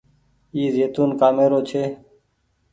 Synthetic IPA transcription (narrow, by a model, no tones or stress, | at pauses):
iːzeːt̪uːnkaːmeːɾoːt͡ʃʰeː